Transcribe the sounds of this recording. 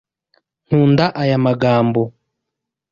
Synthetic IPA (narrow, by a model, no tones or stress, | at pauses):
n̥uːndaʔajamaɡaːmbo